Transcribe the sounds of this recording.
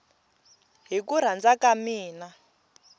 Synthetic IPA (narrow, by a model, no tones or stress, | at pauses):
ɦikuɾ̤and͡zakamiːna